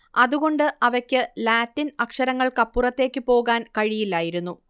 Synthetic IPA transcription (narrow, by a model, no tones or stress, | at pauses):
ɐðuɣo̞ɳɖɨʔɐʋɐkʲːɨlaːtːinɐkʂɐɾɐŋːɐɭkɐpːurɐt̪ːe̞ːkʲːɨpo̞ːɣaːnkɐɻijilːaːjiɾunːu